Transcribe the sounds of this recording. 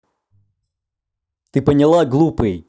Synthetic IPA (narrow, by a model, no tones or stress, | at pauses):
t̪ɨpənʲɪlˠaɡlˠupɨj